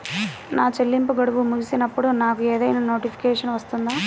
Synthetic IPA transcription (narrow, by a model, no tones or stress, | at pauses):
naːt͡ʃelːimpuɡɐɽuʋumuɡisinɐpːuɽunaːkueːd̪ɐjnɐno̞ːʈipʰi̥keːʂɐnʋɐst̪und̪aː